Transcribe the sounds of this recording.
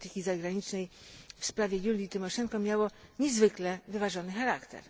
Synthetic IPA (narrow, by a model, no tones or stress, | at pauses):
t̪ɘkʲizaɡɾaɲit͡ʂnɛjfspɾavʲjɛjulʲit̪ɘmɔʂɛŋkɔmʲjawɔɲɛzvɘklɛvɘvaʐɔnɘxaɾakt̪ɛ̰ɾ